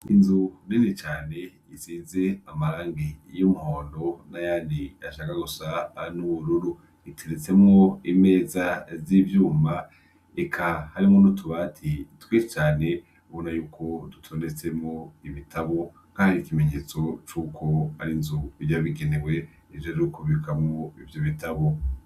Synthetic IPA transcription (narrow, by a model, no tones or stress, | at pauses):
inzuninit͡ʃaːne̞ | isiːze̞amaɾaːŋɡijomuhoːndo̞najaːndiaʃaːkaɡusanuβuɾuɾu | itʰeɾet͡se̞mŋo̞ime̞ːzazivjuːma | ekʰahaɾimŋonutʰuβatʰitwiːʃit͡ʃaːne̞ | βonajuːkʰo̞dutʰo̞ːnde̞t͡se̞mŋo̞iβitʰaβo̞ | kaːndikime̞ɲe̞ːt͡so̞t͡ʃuːkʰo̞haɾinzuivjaβiɡenewe̞ | ivjoɾukuβikʰamŋoivjoβitʰaβo̞